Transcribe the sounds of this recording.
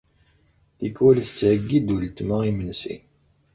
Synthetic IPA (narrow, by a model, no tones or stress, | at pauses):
ikːwælθə̥t͡sːʕəɡːid̪ult̪məʁimənsḭ